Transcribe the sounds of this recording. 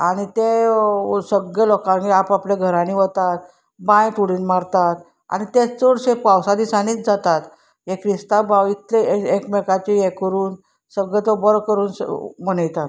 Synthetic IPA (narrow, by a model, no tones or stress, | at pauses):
aɽ̃it̪e | səɡelɔkãniapaplaɡʱəɾãniːʋət̪at̪̚ | bãjt̪uɽiːnmaɾt̪at̪ | a̰ñit̪et͡soɽɕepawsad̪isañiːt͡sd͡zat̪at̪ | ɦekʰɾist̪abaʋit̪leekmɛkat͡ɕijekəɾuːn | səɡet̪obəɾkəɾuːn̰mənəjt̪at̪